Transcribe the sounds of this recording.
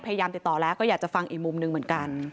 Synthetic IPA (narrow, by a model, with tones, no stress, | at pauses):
pʰa˧ja˧jaː˧mt̪i˨˩t̪ːɔː˨˩lɛː˦˥wkɔː˥˩jaː˨˩k̚t͡ɕa˨˩fa˧ŋʔiː˨˩k̚mu˧mnɯ˨˧ŋmɯ˩˦ə˦nka˧n